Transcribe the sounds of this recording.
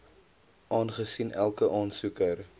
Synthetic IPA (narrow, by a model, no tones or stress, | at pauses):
ʔɑːnχəsinʔælˠkəʔɑːnsukər